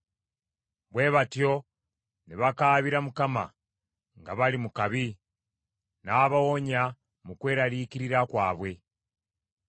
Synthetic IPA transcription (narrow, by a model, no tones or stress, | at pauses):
βwe̞ːβatjo̞ | niβakaːβiɾamukama̰ | ŋɡaβalimukaβi | naːβawoɲa | mukwe̞ːɾaliːkiɾiɾakwaːβwe̞